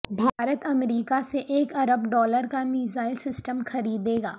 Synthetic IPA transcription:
bʱaːɾət̪ɐmɾiːkaseʔeːkɐɾəbɖɔːləɾkamiːzaːɪlsɪsʈəmxɐɾiːd̪eːɡa̰ː

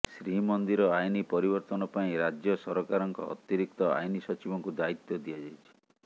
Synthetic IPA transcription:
sɾiɦimɔnd̪iɾɔajnipɔɾibɔɾt̪ɔnɔpaĩɾad͡ʒjɔsɔɾɔkaɾɔŋkɔ̰ɔ̰t̪iɾik̚t̪ɔa̰jnisɔt͡ʃibɔŋkud̪ait̪ːɔd̪ijad͡ʒajt͡ʃʰi̥

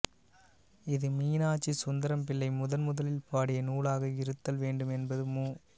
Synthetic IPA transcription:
ɪðɯmiːnaːt͡ʃːisʊnd̪ɐɾɐmpɪlːɐɪmʊðɐnmʊðɐlɪlpaːɽɪjɐnuːlaːɣɐɪɾɯt̪ːɐlʋeːɳɖɯmɛnbɐðɯmuː

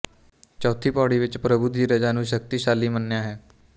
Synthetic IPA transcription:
t͡ʃɔːt̪ʰiːpɔːɽiːʋɪt͡ʃpɾəbuːd̪iːɾəd͡ʒaːnũːʃ̬ək̚t̪iːʃaːlːiːmənːejaːɦɛː

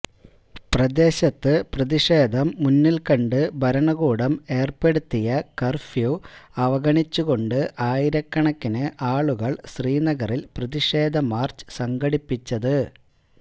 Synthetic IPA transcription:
prɐd̪e̞ːɕɐt̪ːɨprɐðiʂeːd̪ʱɐmːunːilkɐɳɖɨbʱɐɾɐɳɐɣuːɽɐme̞ːrpe̞ɽut̪ːijɐkɐrfjuɐʋɐɣɐɳit͡ɕːuɣo̞ɳɖɨʔaːjiɾɐkːɐɳɐkːinɨʔaːɭuɣɐɭɕriːnɐɣɐrilprɐðiʂe̞ːd̪ʱɐmaːrt͡ɕɨ̥sɐŋɡɐɽipːit͡ɕːɐðɨ

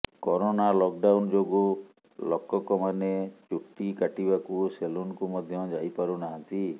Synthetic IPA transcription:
kɔɾonalɔk̚ɖawnd͡ʒoɡu | lɔkɔkɔmanet͡ʃuʈːikaʈibakuselunɔkumɔd̪ʱjɔd͡ʒajpaɾunaɦãnt̪i

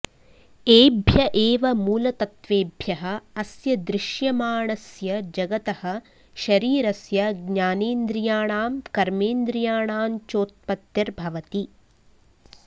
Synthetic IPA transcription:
eːbʱjɐʔeːʋɐmuːlɐt̪ɐt̪ʋeːbʱjɐɦɐ̆ːsjɐd̪ɾɪʃjɐmaːɳɐsjɐd͡ʒɐɡɐt̪ɐhɐ̆ | ʃɐɾiːɾɐsjɐɡɲaːneːnd̪ɾijaːɳaːmkɐɾmeːnd̪ɾijaːɳaːmt͡ʃoːt̪̚pɐt̪jɐɾbʱɐʋɐt̪i

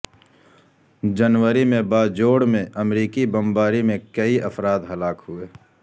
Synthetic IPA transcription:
d͡ʒənwəɾimẽbaːd͡ʒoːɽmẽʔɐmɾiːkibɐ̃mbaːɾimẽkɐiʔɐfɾaːd̪ɦɐlaːkɦʊeː

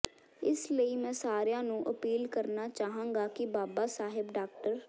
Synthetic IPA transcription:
ɪsləiːmɛ̃ːsaːɾjãːnũːʔəpiːlkəɾnaːt͡ʃaːɦãːŋɡaːkɪbaːbaːsaːɦɪbɖaːk̚ʈəɾ

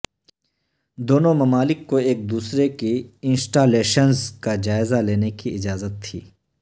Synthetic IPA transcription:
d̪oːnõmɐmaːlɪkːoeːk̚d̪uːsɾekiɪ̃nsʈaːleːʃənzkad͡ʒaːɪzaleːnekiɪd͡ʒaːzət̪ʰːiː

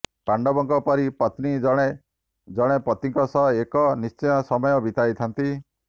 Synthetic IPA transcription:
paɳɖɔbɔŋkɔpɔɾipɔt̪nid͡ʒɔɽ̃e | d͡ʒɔɽ̃epɔt̪iŋkɔsɔekɔnist͡ʃɔjɔsɔmɔjɔbit̪ajt̪ʰant̪i

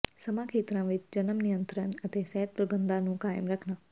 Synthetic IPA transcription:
sɐmãːkʰeːt̪ɾãːʋɪt͡ʃd͡ʒɐnəmnɪjə̃nt̪ɾənɐt̪eːsɛɦət̪̚pɾəbə̃nd̪ãːnũːkaːɪəmɾɐkʰnaː

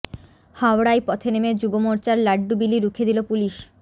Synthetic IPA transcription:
hawɽajpɔt̪ʰenemed͡ʑubomoɾt͡ɕaɾlaɖːubiliɾukʰed̪ilopuliʃ

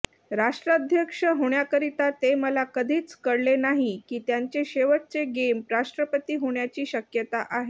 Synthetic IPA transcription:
ɾaʂʈɾad̪ʱjəkʂəɦoɳjakəɾit̪at̪eməlakəd̪ʱiːt͡skəɽlenaɦikiːt̪jaɲt͡ɕeɕeʋəʈ̚t͡seɡempɾaʂʈɾəpət̪iːɦoɳjat͡ɕiːɕəkjət̪aʔaɦe

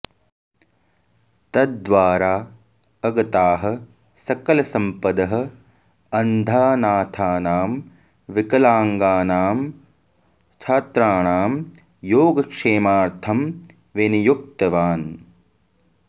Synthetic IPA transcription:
t̪ɐd̪d̪ʋaːɾaː | ɐɡɐt̪aːɦɐ̆ | sɐkɐlɐsɐmpɐd̪ɐɦɐ̆ | ɐnd̪ʱaːnaːt̪ʰaːnaːm | ʋikɐlaːŋɡaːnaːm | t͡ʃʰaːt̪ɾaːɳaːm | joːɡɐkʂeːmaːɾt̪ʰɐm | ʋenijuk̚t̪ɐʋaːn

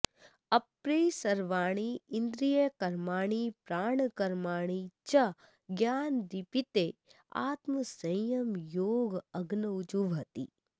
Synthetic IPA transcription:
ɐpɾejsɐɾʋaːɽ̃iɪnd̪ɾijəkɐɾmaːɽ̃ipɾaːɳ̃kɐɾmaːɽ̃it͡ʃɐ | ɡjaːnd̪ipit̪e | a̰ːt̪məsɐjɐmjoːɡɐɡnɐʊd͡ʒuʋɦɐt̪ḭː

